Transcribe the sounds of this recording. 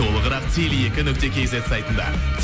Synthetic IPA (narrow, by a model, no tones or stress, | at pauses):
o̞lˠəʁəɾɑqt̪ʲʰelje̞kʲɪnʏk̚t̪e̞kʲʰezet̪sɑjt̪ənd̪ɑ̰t̪ʰʲ